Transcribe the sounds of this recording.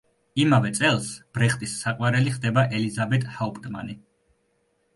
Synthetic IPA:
imavɛt̪sʼɛlˠsb̥ɾɛχt̪ʼisːaqʼwaɾɛliχd̪ɛbaʔɛlizabɛt̪ʼhaupʼt̪ʼma̰ni

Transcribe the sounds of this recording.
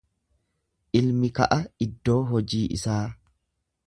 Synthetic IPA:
ʔɪlmɪkɐ̰ʔɐɪd̪ːo̞ːɦɔd͡ʒiːʔɪ̰saː

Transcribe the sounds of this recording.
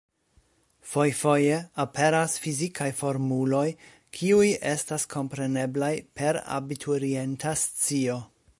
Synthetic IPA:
fojfo̞je̞apʰe̞ɾasfizikʰajfo̞ɾmulo̞j | kʰiuje̞staskʰo̞mpɾe̞ne̞blajpʰe̞ɾa̰bitʰuɾie̞ntʰast͡sio̞

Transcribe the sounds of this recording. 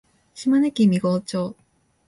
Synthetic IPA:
ɕimanekʲimʲiɡoːt͡ɕoː

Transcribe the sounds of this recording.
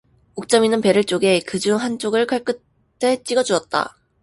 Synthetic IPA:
uk̚t͡ɕ͈ʌminɯnpe̞ɾɯɭt͡ɕ͈oɡe̞kɯd͡ʑuŋɦant͡ɕ͈oɡɯɭk͈aɭk͈ɯ | t͈ʰe̞t͡ɕ͈iɡʌd͡ʑuʌt̚t͈a̰

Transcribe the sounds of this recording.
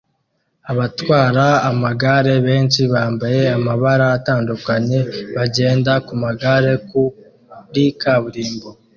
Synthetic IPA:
aβatwaːɾaːmaɡaɾe̞βe̞ːnʃiβaːmbaje̞amaβaɾaːtaːndukaɲe̞βaɟe̞ːndakumaɡaɾe̞ku | ɾikaβuɾiːmbo

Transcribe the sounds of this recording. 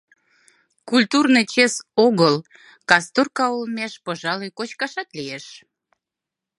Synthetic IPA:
kulʲt̪urnɨjt͡ɕesoɣəl | kɑst̪urkɑulmeʃpəʒɑlikot͡ɕkɑʃɑt̪lieʃ

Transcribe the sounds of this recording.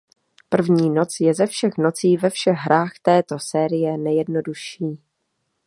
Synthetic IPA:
pr̩vɲiːno̞t͡sjɛzɛfʃɛxno̞t͡siːvɛfʃɛɣɦɾʔaːxt̪ɛːt̪o̞sɛːɾɪjɛnɛjɛdno̞duʃiː

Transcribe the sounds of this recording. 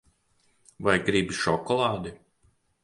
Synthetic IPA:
vajɡɾibiʃɔkɔlˠɑːd̪i

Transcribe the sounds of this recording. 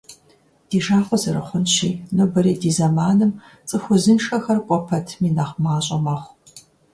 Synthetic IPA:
d̥iːʒaːχʷɔzɐɾɨχʷʊnʃiːnɨbɐɾiːdiːzɐmaːnɨm | t͡sʼɨxʷʊzɨnʂɐxɐrkʷʼɔpʰɐtʰmiːnɐχʷmaːɕʼɐmɐχʷ

